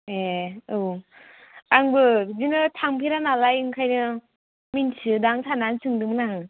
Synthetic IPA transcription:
eɯw | aŋbɯzinɯtʰaŋpʰiɾanalajɯŋkʰajnɯ | minsʰɯdaŋsʰanansʰɯŋdɯmɯnaŋ

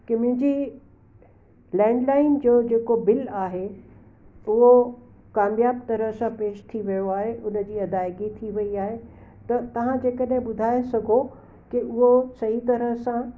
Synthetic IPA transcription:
kɪmɪ̃d͡ʑiː | lɛ̃ːɳɖlaːɪnd͡ʑoːd͡ʑeːkobɪlaːɦe | ʊɦo | kaːmjaːb̚t̪ɐɾəɦsãpeːʃt̪ʰiʋijoaːɦeʔʊnə̆d͡ʑiːɐd̪aːɪɡit̪ʰiʋɐiaːɦet̪ɐt̪ɐʋ̤ãd͡ʑeːkəɗɦɪ̃ɓʊd̪ʱaːesɐɡʱo | kɪʔʊɦosɐɦit̪ɐɾəɦsã

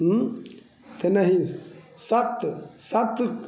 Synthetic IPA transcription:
t̪enɐɦĩsɐt̪sɐt̪

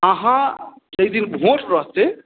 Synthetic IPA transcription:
əɦã | d͡ʒəjd̪inbʱoʈɾʌɦt͡ʃe

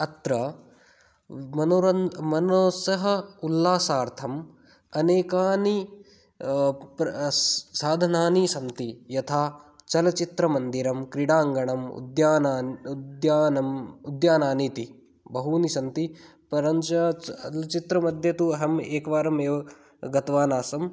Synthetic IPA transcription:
ɐt̪ɾɐ | mɐnoɾɐnmɐnoːsɐɦɐulːaːsaːɾt̪ʰɐm | ɐneːkaːni | p | saːd̪ʱɐnaːnisɐnt̪ijɐt̪ʰaːt͡ʃɐlɐt͡ʃit̪ɾɐmɐnd̪iɾɐmkɾiɽaːŋɡɐɳɐmṵd̪jaːnaːd̪jaːnɐmud̪jaːnaːniːt̪i | bɐɦuːnisɐnt̪i | pɐɾɐɲt͡ʃɐɐlɐt͡ʃit̪ɾɐmɐd̪ʱjɐt̪uɐɦɐmeːkʋaːɾɐmeːʋɐ | ɡɐt̪ʋaːnaːsɐm

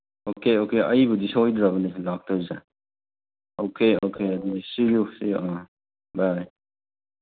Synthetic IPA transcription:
okeokeɐjbudisojd̪ɾaβɐnilak̚tɔza̰ | okʰeokʰeɐdisilusiɔ | baj

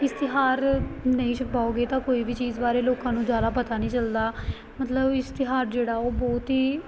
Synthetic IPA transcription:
ɪst̪ɪɦaːɾnəĩːʃʰʊpaːoːɡeːt̪ãːkoːiːʋiːt͡ʃiːzbaːɾeːloːkãːnũːd͡ʒjaːd̪aːpət̪aːnəĩːt͡ʃəld̪aː | mət̪ləbɪst̪ɪɦaːɾd͡ʒeːɽaːoːbɔːt̪ɦiː

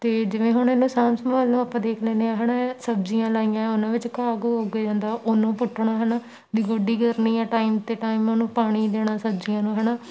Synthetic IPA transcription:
t̪eːd͡ʒɪʋẽːɦʊɳenːũːsaːmsəmaːlnũːapːãːd̪eːkʰlẽːneãːɦɛːɽãːsəb̚d͡ʒijãːlaːiːjãːʊnãːʋɪt͡ʃkaːɡoːɦoːɡeːd͡ʒãːnd̪aːʔonũːpʊʈʰːɳaːɦənaː | d̪iːɡoɖiːɡəɾniːɛ̃ːʈaːiːmt̪eːʈaːiːmoːnũːpaːɽ̃iːd̪eːɽaːsəbd͡ʒijãːnũːɦɛːnaː

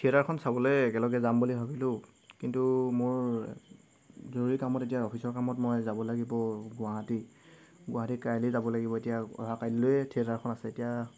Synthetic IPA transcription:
tʰieɾaɹkʰɔnsabɔlojɛkɛlɔɡɛzambulibʱabilʊ | kintumʊɹ | zoɹuɹikamɔtetijaɔpʰisɔɹkamɔtmɔjzabɔlaɡibɔɡʊaɦati | ɡʊaɦatikajlizabɔlaɡibɔetijaɔ̰ɦakajlojɛtʰiɛɾaɹkʰɔnasɛetija

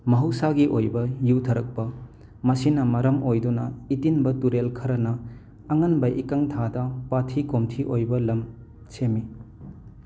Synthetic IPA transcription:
mɐɦɐwsaɡiʔojbɐjuwtʰɐɾɐk̚pɐ | mɐsinɐmɐɾɐmojdunɐitinbɐtuɾelkʰɐɾɐnɐː | ŋɐnbɐʔikɐŋtʰadɐpatʰikomtʰiʔojbɐlɐm | semːi

